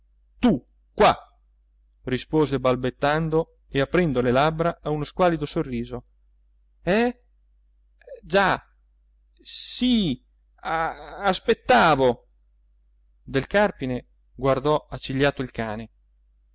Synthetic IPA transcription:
t̪u | kwa | rispoːzebalbet̪ːand̪o | eapːɾɛnd̪olelabɾaʔaunoskwaːlid̪osorːiːzo | ɛ | d͡ʒa | si | aaspet̪ːaːvo | d̪elkarpine | ɡward̪ɔat͡ʃːiʎːaːt̪oilkaːne

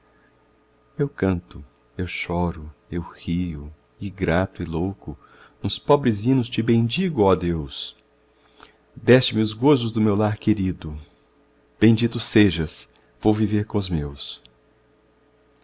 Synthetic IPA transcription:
ewkɐ̃nt̪ʊ | ewʃɔɾʊewhiʊ | ɪɡɾat̪ʊɪlowkʊ | ũspɔbɾɪzĩnʊst͡ʃɪbẽj̃d͡ʒiɡʊɔd̪ews | d̪ɛst͡ʃɪmɪʊzɡozʊzd̪ʊmewlaɾkeɾid̪ʊ | b̥ẽj̃d͡ʒit̪ʊseʒɐs | v̥owviveɾkõʊzmews

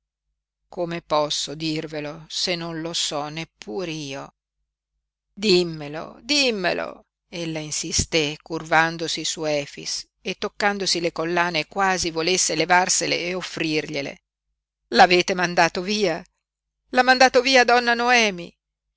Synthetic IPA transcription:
komepɔsːod̪irvelosenːonlosɔnːepːuːɾeiːo | d̪imːelo̰d̪imːḛlo̰ | elːainsist̪ekurvand̪osisuɛːfḭs | et̪ːokːand̪osilekolːaːnekwaːzivolesːelevarselḛːofːɾirʎelḛ | laveːt̪emand̪aːt̪oviːa | lamːand̪aːt̪oviːad̪ɔnːanoɛːmḭ

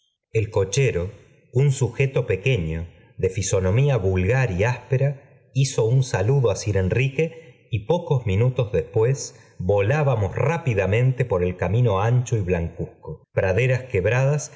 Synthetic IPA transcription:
elko̞t͡ʃe̞ɾo̞ | unsuxe̞t̪o̞pe̞ke̞ɲo̞ | ðe̞fiso̞nõ̞miaβulɣaɾiaspe̞ɾa | iso̞unsaluðoasiɾe̞nrike̞ | ipo̞ko̞zmĩnut̪o̞zðespwe̞s | βo̞laβamo̞srapiðamẽ̞nt̪e̞po̞ɾe̞lkamĩno̞ant͡ʃoiβlaŋkuskopɾaðe̞ɾaskeβɾað̞as

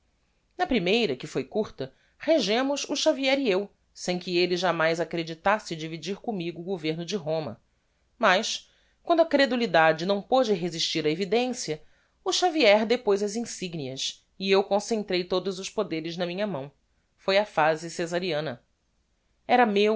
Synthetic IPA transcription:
nɐpɾimejɾɐkɪfojkuɾt̪ɐ | heʒẽmʊzʊʃaviɛɾiew | sẽj̃kɪelɪʒamajzakɾed͡ʒit̪asɪd͡ʒivid͡ʒiɾkõmiɡʊːɡoveɾnʊd͡ʒɪɦõmɐ̰ | mɐʃ | kwɐ̃nd̪ʊɐkɾed̪ulid̪ad͡ʒɪnɐ̃w̃pod͡ʒɪɦeziʃt͡ʃiɾɐevid̪ẽsiɐ | ʊʃaviɛɾd̪epojzɐzĩsiɡniɐs | ɪewkõsẽnt̪ɾejt̪od̪ʊzʊspod̪eɾɪznɐmĩɲɐmɐ̃w̃ | fojɐfazɪsezaɾiɐ̃nɐ | ɛɾɐmew

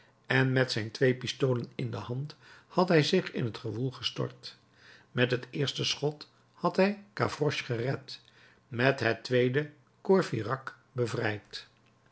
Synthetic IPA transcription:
ɛnmɛtsɛjntʋejpistowlənɪndəhɑnthɑtɦɛjzɪχɪ̰nɦətχəvulˠχəstɔ̰ɹt | mɛtɦətɪːɹstəsχɔt | hɑtɦɛjka̰frɔʃχərɛt | mɛtɦətʋejdə | koɹfirɑk | bəvrɛjt

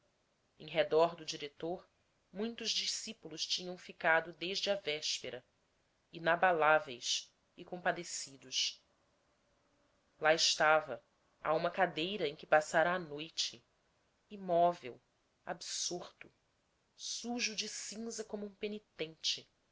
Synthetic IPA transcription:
ẽj̃ɦed̪ɔɾd̪ʊd͡ʒiɾet̪oɾ | mũj̃t̪ʊʒd͡ʒisipulʊʃt͡ʃĩɲɐ̃w̃fikad̪ʊd̪eʒd͡ʒɪɐvɛʃpeɾɐ | inabalavejs | ikõmpad̪esid̪ʊʃ | laɪʃt̪avɐ | a̰ũmɐkad̪ejɾɐẽj̃kɪpasaɾɐːnojt͡ʃɪ | imɔvḛw | a̰bsuɾt̪ʊ | suʒud͡ʒɪsĩzɐkõmʊũpenit̪ẽnt͡ʃɪ

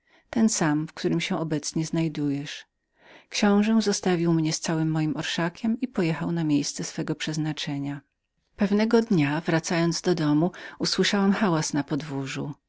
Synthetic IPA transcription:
t̪ɛnsamfkt̪uɾɘmɕɛ̃ʔɔbɛt̪sɲɛznajd̪ujɛʂ | kɕɔ̃w̃ʐɛ̃zɔst̪avʲiwmɲɛst̪sawɘmːɔjimɔɾʂakʲɛmipɔjɛxawnamʲjejst̪sɛsfɛɡɔpʂɛznat͡ʂɛɲa | pɛvnɛɡɔd̪ɲavɾat̪sajɔnd̪zd̪ɔd̪ɔmuuswɘʂawamxawasnapɔd̪vuʐṵ

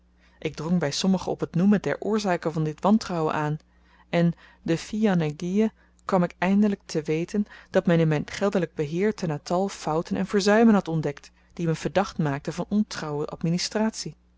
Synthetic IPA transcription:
ʔɪɡ̚drɔŋbɛjsɔməχəɔpɦətnuməndɛ̰ɹʔʊːɹzaːkəvɑndɪtʋɑntrɑwə̰nʔaːn | ʔɛn | dəfianaɡijə | kʋɑmɪkɛjndələk̚tʰəʋejtənd̥ɑtmɛnɪnmɛjnχɛlˠdələɡ̚bəɦɪːɹtənaːtɑlˠfʌwtənɛ̰nvəɹzœɥmənɦɑtɔndɛkt | d̥imənv̥əɹdɑχtmaːk̚təvɑnɔntrɑwəʔɑ̰tministraːtsi

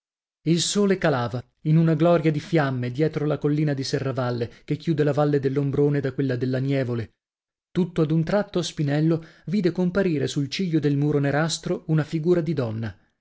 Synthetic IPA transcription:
ilsoːlekalaːva | inunaɡlɔɾjad̪ifjamːed̪jɛːt̪ɾolakolːiːnad̪isɛrːavalːekekːjuːd̪elavalːed̪elːombɾoːned̪akːwelːad̪elːanjɛːvole | t̪ut̪ːoad̪unt̪ɾat̪ːospinɛlːoviːd̪ekompaɾiːɾesult͡ʃiʎːod̪elmuːɾoneɾast̪ɾounafiɡuːɾad̪id̪ɔnːa

